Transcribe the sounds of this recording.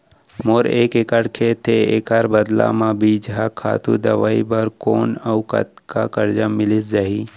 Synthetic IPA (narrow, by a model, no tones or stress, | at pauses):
moːɾeːkekəɽkʰet̪ʰeekaɾbəd̪la̰mãbiːd͡ʒɦakʰa̰ːt̪ṵd̪ɐʋa̰ːibəɾkoːnəʊkə̰t̪kakəɾd͡ʒamɪlɪs̬d͡ʒaɦiː